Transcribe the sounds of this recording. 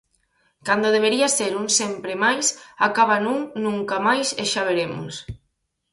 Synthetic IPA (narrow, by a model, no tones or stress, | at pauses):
kand̪oðeβ̞eɾiaseɾunsempɾemajsakaβanũŋnũŋkamajseʃaβ̞eɾemo̰s